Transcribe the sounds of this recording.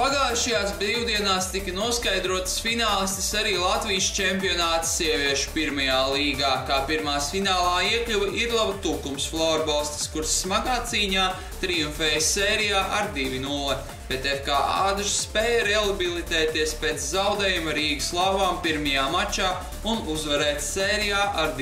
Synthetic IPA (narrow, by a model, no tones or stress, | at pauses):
paɡaːʃɐjaːsbɾiwd̪iɛnaːst̪ikɐnuɔskajd̪ɾuɔt̪sfinaːlˠst̪isaɾiːlˠat̪viːst͡ʃɛmpiɔnaːt̪siɛvʲiɛʃu̥piɾmɐjaːlˠiːɡaːkaːpiɾmaːsfinaːlˠaːiɛklʲuvɐʔiɾlˠabt̪uːkumsflˠaːɾbalˠst̪i̥skuɾsːmaɡaːt̪siːɲaː | t̪ɾiuɱfɛːjsɛːɾijaːʔaɾd̪ivʲinulˠe | b̥et̪efkaːʔaːd̪uʃspɛːjɐɾɛlˠbilˠit̪ɛːt̪iɛspeːt̪szawd̪ɛːjumaɾiːɡɨslˠavaːmpiɾmɐjaːmat͡ʃaː | unuzvɛɾɛːt̪sɛːɾijaːʔaɾd̪